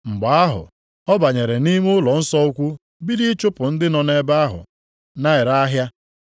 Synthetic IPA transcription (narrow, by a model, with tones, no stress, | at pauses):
ŋ͡m̩˨ɡ͡ba˨a˦ɦʊ̰˨ | ɔ˦ba˨ɲe˨ɾe˨ni˦m˦ʊ˦lɔ˨n̩˦sɔ˦u˦kʷu˦ | bi˦di˦t͡ʃʊ˦pʊ˨n̩˦dɪ˦nɔ˨ne˦ba˦ɦʊ̰˨ | na˦ɪ˨ɾa˦ɦja˦